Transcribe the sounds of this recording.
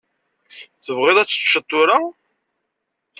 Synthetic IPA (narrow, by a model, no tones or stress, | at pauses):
θəvʁɪðˤæt͡sːə̥t͡ʃːət̪ˤːʊɾa